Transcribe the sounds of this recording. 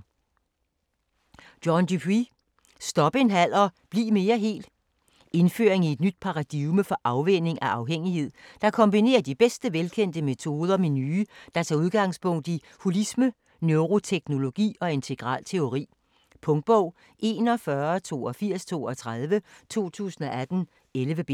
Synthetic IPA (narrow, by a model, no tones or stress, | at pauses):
d̥jɒnd̥ypʰʁi | sd̥ɒ̽b̥əe̝nɦæl̰ɐb̥liːme̝ːɐɦe̝̰ːld̥ | e̝nfø̰ːɐeŋie̝d̥nyd̥̚pʰɑ̈ʁɑ̈d̥iməfɒ̽ʔɑ̈ʊʋene̝ŋʔæʔɑ̈ʊɦeŋ̰ihe̝ð̰ˠd̥ɑ̈kʰɒ̽mb̥ine̝̰ːɐd̥ib̥esd̥əʋelkʰen̰d̥əme̝t͡sʰo̝ːð̞ˠɐmenyːd̥ɑ̈t͡sʰɑ̈ːuð̞ˠɡ̥ɑ̈ŋ̰spʰɔ̽ŋ̰d̥i | hulismə | nøʊʁo̝t͡sʰeɡ̥no̝lo̝ɡ̥ḭːɒ̽e̝nt͡sʰe̝ɡ̥ʁɑ̰̈ːlt͡sʰe̝o̝ʁḭː | pʰɔ̽ŋd̥̚b̥ɒʊ̰ | e̝ːnɒ̽fɶɐt͡sʰo̝̰ːɒ̽fiɐ̰st͡sʰo̝̰ːɒ̽t͡sʰʁɑð̞ˠʋət͡sʰo̝̰ːt͡sʰṵːsən̩ɒ̽æd̥n̩ | elʋəb̥e